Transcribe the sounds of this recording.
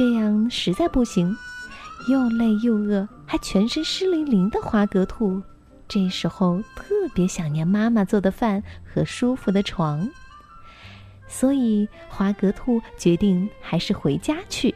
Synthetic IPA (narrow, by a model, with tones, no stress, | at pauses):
ʈ͡ʂɤ˥˧jɑ˥˩ŋʂɻ̩˧˥t͡sa˥˧ɪpu˥˩ɕi˧˥ŋ | jo˥˧ʊle˥˧ɪjo˥˧ʊɤ˥˩ | xa˧˥ɪt͡ɕʰɥɛ˧˥nʂə˥nʂɻ̩˥li˧˥nli˧˥ŋd̪ə˧xwa˧˥kɤ˧˥t̪ʰu˥˩ | ʈ͡ʂɤ˥˩ʂɻ̩˧˥xo˥˧ʊt̪ʰɤ˥˩pjɛ˧˥ɕjɑ˨˩ŋnjɛ˧˥nma˥ma˨t͡swɔ˥˩d̪ə˩fa˥˩nxɤ˧˥ʂu˥fu˧˥˩d̪ə˩ʈ͡ʂʰwɑ˧˥ŋ | swɔ˧˥i˨˩ | xwa˧˥kɤ˧˥t̪ʰu˥˩t͡ɕɥɛ˧˥t̪i˥˩ŋxa˧˥ɪʂɻ̩˥˩xwe˧˥ɪt͡ɕja˥t͡ɕʰy˥˩